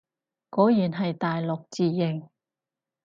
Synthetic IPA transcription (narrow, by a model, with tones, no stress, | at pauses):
kɔː˨˥jiː˨˩nɦɐ˨jt̪aː˨jlʊ˨k̚t͡siː˨˩jɪ˨˩ŋ